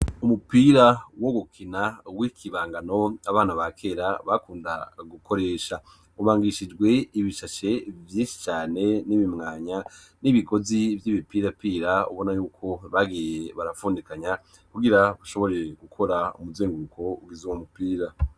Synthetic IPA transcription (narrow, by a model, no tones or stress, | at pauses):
umupiɾawoɡukʰinawikʰiβaːŋɡano̞aβaːnaβakʰe̞ːɾaβakuːndaɡukʰo̞ɾe̞ːʃa | uβaːŋɡiʃid͡ʒɡwe̞iβiʃaʃe̞vjiːʃi̥t͡ʃaːne̞niβimŋaːɲa | niβiɡo̞zivjiːβipiːɾapiːɾaṵβo̞najuːkʰo̞βaɡijeβaɾafuːndikaɲa | kuɡiɾaβaʃo̞βo̞ɾeeɡukʰo̞ɾaṵmuzeːŋɡuukʰo̞uɡizuwomupiːɾa